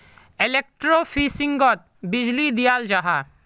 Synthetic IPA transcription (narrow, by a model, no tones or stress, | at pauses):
elek̚ʈɾofʰisiŋɡɔt̪̚bid͡ʒlid̪ijald͡ʒaɦa